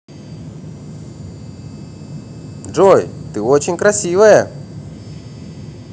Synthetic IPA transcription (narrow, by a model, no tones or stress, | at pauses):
ʐojt̪ɨot͡ɕɪnʲkɾɐsʲivəjə